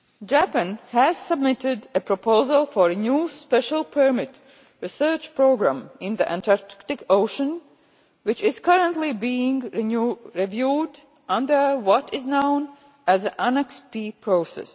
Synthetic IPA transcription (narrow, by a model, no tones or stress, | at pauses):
d͡ʒæpə̃nhæz̥səb̚mɪtɪdɨpʰɹɔpoʊzəlˠfɔɹɨnjuːspɛʃəlˠpʰə˞mɪt | ɹisɜːt͡ʃpɹoʊɡɹæ̰̃mɪ̃nðiʔæ̰̃ntaɹkktɪkoʊʃə̃n | wɪt͡ʃɪz̥kʌɹə̃ntlibiɪ̃ŋ | ɹivjuːd | ʌ̃ndə˞wɔtɪznõʊ̃n | æzðəʔænɛkspipʰɹoʊsɛ̰s